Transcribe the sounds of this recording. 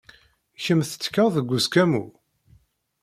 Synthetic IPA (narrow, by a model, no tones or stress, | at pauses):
çəmθə̥t͡sːkːəʁðəɡʷːuskæmu